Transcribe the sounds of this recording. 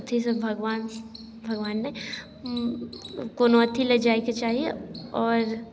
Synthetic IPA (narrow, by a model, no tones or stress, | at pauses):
t̪ʰːisebʱɐɡʋaːn | bʱɐɡʋaːnːe | koːnoɐt̪ʰːilɐd͡ʒaːiket͡ʃaːɦieɔːɾ